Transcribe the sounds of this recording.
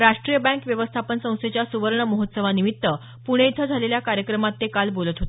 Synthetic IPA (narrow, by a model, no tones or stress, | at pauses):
ɾaʂʈɾijəbɛ̃ŋkʋjəʋəst̪ʰapənsə̃w̃st̪et͡ɕjasuʋəɾɳəməɦot̪səʋ̤animit̪ːə | puɽ̃eit̪ʰəd͡zʱaleljakaɾjəkɾəmat̪ːekalbolət̪ɦot̪e